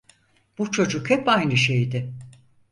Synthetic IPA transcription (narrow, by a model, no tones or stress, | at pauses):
b̥ut͡ʃʰo̞d͡ʒukhɛpajnɯʃejd̪ɪ